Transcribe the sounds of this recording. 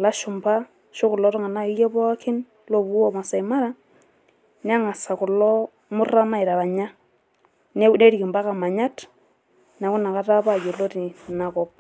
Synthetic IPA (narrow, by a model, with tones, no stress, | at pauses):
la˦ʃʊ˨mba˦ | ʃo˦kʊ˨lɔ˦ɾʊ˦ŋa˨na˦ɪ˦jɔ˦bɔ˦a˦kʰɪ˦n | lɔ˦βu˦ɔ˦ma˨sa˨ɪ˨ma˦ɾa˦ | nɪ˦a˦ŋa˨sa˨kʊ˨lɔ˦ | mʊ˦ra˦ma˦ɪ˨ɾa˨βa˨ɲa˦ | n˦ne˦ɾi˨kɪ˨mba˦ka˨ma˨ɲa˦t | na˨˦kʊ˦na˨ka˦ta˦pa˦˨jo˨lo˦ɾi˨na˨kɔ˦p̚